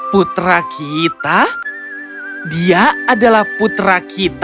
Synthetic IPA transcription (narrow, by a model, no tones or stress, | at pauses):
put̪ɾakʰit̪a | diaːdalahput̪ɾakʰit̪